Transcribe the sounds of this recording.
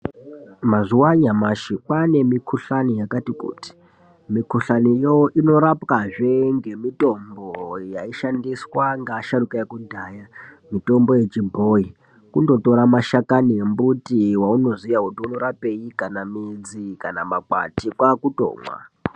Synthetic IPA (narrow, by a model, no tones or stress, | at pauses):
maʐuwaɲamaʃikwane̞mikʰuɬanijakatikṵːti̥ | mikuɬanijoʔino̞ɾapkaʐe̞ŋɡe̞mito̞mbojaiʃandiswaŋɡaʃaɾukajekudʱaːja | mito̞mbo̞je̞t͡ʃibʱoi | kundo̞to̞ɾamaʃakaniembutiwauno̞zijakutiuno̞ɾape̞jikanamid͡zikanamaka̰tikwakuto̰ːmwa̰